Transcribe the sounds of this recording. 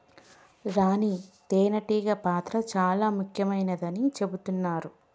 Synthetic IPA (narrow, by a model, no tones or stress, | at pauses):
ɾaːnit̪eːnɐʈiːɡɐpaːt̪ɾɐt͡ʃaːlaːmukʰjɐmɐjnɐd̪ɐnit͡ʃe̞but̪unːaːɾu